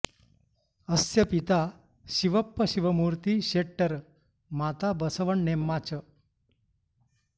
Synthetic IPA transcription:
əsjəpit̪a | ɕiʋəpːəɕiʋəmuɾt̪iɕeʈːəɾ | mat̪abəsəʋəɳnemːat͡ɕə

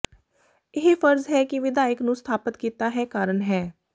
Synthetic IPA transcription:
ɪɦefʰəɾzɦɛːkɪʋɪd̪aːjəknũːst̪ʰaːpət̪kiːt̪aːɦɛːkaːɾəɳɦɛː

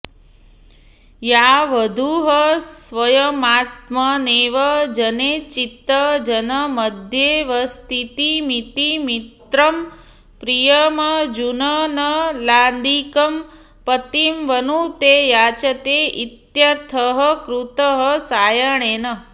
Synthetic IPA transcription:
jaʋəd̪ʱuɦəsʋəjəmaːt̪̚məneʋəd͡ʒənet͡ʃit̪ːəd͡ʒənəməd̪ʱjeʋəst̪ʰit̪imit̪imit̪ɾəm | pɾijəməd͡ʒunənəland̪ikəm | pət̪imʋənut̪ejat͡ʃət̪eʔit̪jɐɾt̪ʰəɦəkɾut̪əɦəsaːjəɳenə

